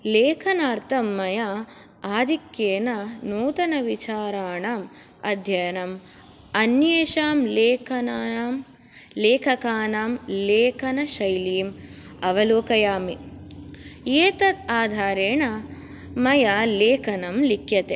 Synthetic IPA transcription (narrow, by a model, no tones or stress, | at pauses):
leːkʰɐnaːɾt̪ʰɐmːɐja | aːd̪ʱikjeːnɐnuːt̪ɐnɐʋit͡ʃaːɾaːɳaːm | ɐ̰d̪ʱjɐjɐnɐm | ɐnjeːʃaːmleːkʰɐnaːm | leːkʰɐkaːnaːmleːkʰɐnɐʃɐjliːm | ɐʋɐloːkɐjaːmi | jeːt̪ɐt̪aːd̪ʱaːɾeːɳɐ | mɐjaleːkʰɐnɐmlikʰjɐt̪e